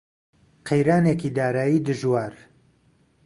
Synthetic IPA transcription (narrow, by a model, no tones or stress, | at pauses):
qʰejɾaːnekiːd̪aːɾaːjiːd̪ɨʒwaːɾ